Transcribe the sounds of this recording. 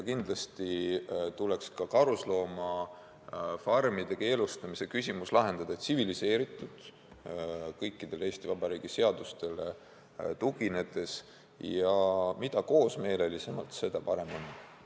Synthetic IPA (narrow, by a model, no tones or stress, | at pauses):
kind̪lɑst̪it̪ule̞kskɑkɑɾuslo̞ːmɑ | fɑrmid̪̥e̞ke̞ːlust̪ɑmise̞kysʲimuslɑɦe̞nd̪̥ɑd̪ɑet̪sivilise̞ːɾit̪ːˑud̪̥ | kɤjkːid̪̥e̞le̞ːst̪ivɑbɑɾiːɡ̥ise̞ɑd̪̥ust̪e̞le | t̪uɡ̥ine̞d̪e̞s | jɑmid̪̥ɑko̞ːsme̞ːle̞lisemɑ̰lt̪se̞d̪̥ɑpɑɾe̞mo̞nː